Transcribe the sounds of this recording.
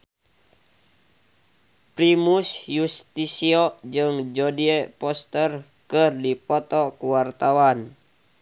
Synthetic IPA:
pɾimusjust̪isiɔʔd͡ʒɨŋd͡ʒɔdiɛpɔst̪ər | kɨrdipɔt̪ɔkuwart̪awan

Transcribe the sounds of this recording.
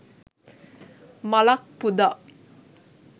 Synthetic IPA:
malak̚pud̪aʔ

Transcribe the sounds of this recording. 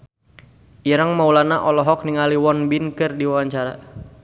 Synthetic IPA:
ʔiɾəŋmaulanaʔɔlɔɦɔk̚niŋaliwɔnbinkɨrdiwawaɲt͡ʃaɾa

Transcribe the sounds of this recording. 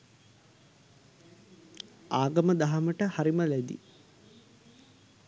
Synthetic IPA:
aːɡɐməd̪aɦɐməʈəhaɾiməlæd̪ḭ

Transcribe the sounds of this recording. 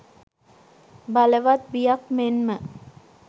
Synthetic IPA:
baləʋat̪̚bijakmenmə

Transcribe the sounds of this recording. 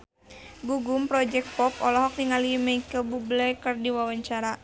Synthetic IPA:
ɡuɡumpɾɔd͡ʒɛk̚t̪̚pɔpɔlɔɦɔk̚niŋalimaikəbublɛkɨrdiwawaɲt͡ʃaɾa

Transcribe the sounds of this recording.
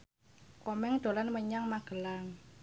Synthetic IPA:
kɔmɛŋd̪̥o̤lanməɲaŋmaɡ̥ə̤laŋ

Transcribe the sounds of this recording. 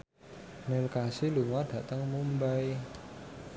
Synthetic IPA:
nɪlkasiluŋaɖ̥ä̤t̪əŋmumbaj

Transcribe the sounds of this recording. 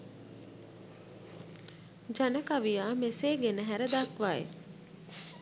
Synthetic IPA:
d͡ʒanəkaʋijaːmeseːɡenəɦæɾəd̪akʋajḛ

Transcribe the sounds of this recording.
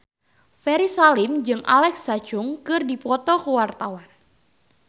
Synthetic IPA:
fɛɾisalɪmd͡ʒɨŋʔa̰lɛksḁd͡ʒʊŋkɨrdipɔt̪ɔkuwart̪awan

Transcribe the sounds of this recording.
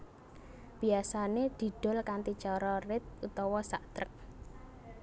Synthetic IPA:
b̥iasaned̪̥i̤ɖ̪̥ɔ̤lkant̪it͡ʃɔɾɔrɪt̪̚ut̪ɔwɔsaʔt̪ɾək̚

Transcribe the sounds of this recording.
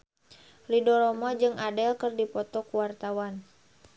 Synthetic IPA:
lidɔɾɔmɔd͡ʒɨŋadɛlkɨrdipɔt̪ɔkuwart̪awan

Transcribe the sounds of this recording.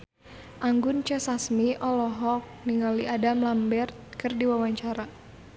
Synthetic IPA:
ʔaŋɡʊnt͡ʃəsasmiʔɔlɔɦɔk̚niŋɡaliʔadamlambɛrt̪̚kɨrdiwawaɲt͡ʃaɾa

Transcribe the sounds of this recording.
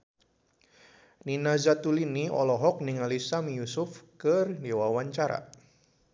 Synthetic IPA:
ninazat̪uliniɔ̰lɔɦɔk̚nɪŋalisamijusʊfkərdiwawaɲt͡ʃaɾa̰

